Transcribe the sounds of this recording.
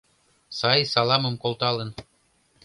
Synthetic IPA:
sɑjsɑlˠɑmɤ̆mkolˠt̪ɑlɤ̆n

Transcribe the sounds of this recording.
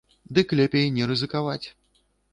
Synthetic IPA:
d̪ɨklʲɛpʲejnʲɛɾɨzɨkavat͡sʲ

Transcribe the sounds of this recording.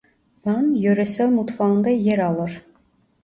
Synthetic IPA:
bɑnjøɾɛsælmut̪fɑɯnd̪ɑjeɾɑlˠɯɾ

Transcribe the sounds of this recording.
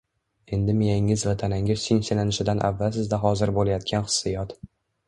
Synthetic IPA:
e̞nd̪ɪmijaŋɪzvat̪ʰanaŋɪzsenselanɪʃɪd̪anʔa̰vːalsɪzd̪aɦɒzɪɾbolajat̪̚kʲʰanχɨ̥sːɪjɒt̪

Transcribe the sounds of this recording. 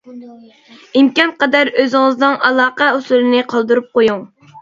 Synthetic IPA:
imkʲɑnqɑd̪ɑɾøzɪŋəznɨŋɑlˠɑːqɑusulˠɨnɪqʰɑlˠd̪uɾup̚qojuŋ

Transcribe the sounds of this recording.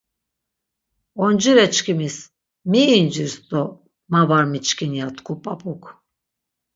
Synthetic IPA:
ɔnd͡ʒiɾɛt͡ʃkʰimis | miːnd͡ʒiɾst̪ɔ | mavaɾmit͡ʃkʰinijat̪kʰupʼapʰʼukʰ

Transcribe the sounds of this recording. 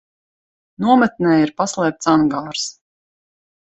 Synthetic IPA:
nuɔmɛt̪̚nɛjiɾpaslˠɛːp̚t̪saŋɡaːɾs

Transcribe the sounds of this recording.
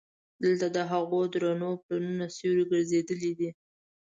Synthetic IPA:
d̪̥əlt̪ad̪əɦaɣod̪ɾanoplanunasewɾiɡəɾzed̪əlid̪i

